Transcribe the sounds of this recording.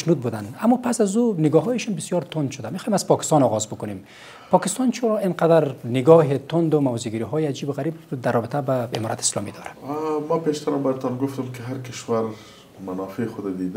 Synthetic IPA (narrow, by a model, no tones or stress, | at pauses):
ʃnud̪̚bud̪anamːɔpasazunɪɡɔɦɔjeʃɔnbɪsjɔɾt̪ʰʊnd̪ʃʊd̪amexɔ̥ːhemazpɒkɪ̥st̪ɔnɔɣɒzbʊkʊnem | pɒkɪst̪ɔnt͡ʃʰʊɾɔinqad̪aɾnɪɡɔɦet̪ʰʊnd̪ʊmawziɡiɾiɦɔjead͡ʒiːbʊɣaɾibd̪aɾrːɔbɪt̪ʰabaḛmɔɾat̪ʰɪ̥slɔmḭd̪ɔɾamapeʃt̪aɾambajat̪ɔnɡʊft̪ʊmkeɦaɾkɪʃwaɾ | manɑfexʊd̪ad̪id̪a